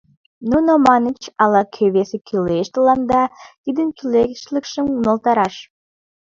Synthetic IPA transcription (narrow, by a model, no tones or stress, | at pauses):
nunomɑnit͡ʃɑlˠɑkʲʰøβesɪkʲʰylʲeʃt̪əlˠɑnd̪ɑt̪id̪ɘnkʲʰylʲekʲʃlɘkʃəŋunolˠt̪ɑɾɑʃ